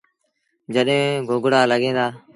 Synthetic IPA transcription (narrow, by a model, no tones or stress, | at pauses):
d͡ʒəɗɦẽːɡʱoːɡɽaːləɠẽːd̪aː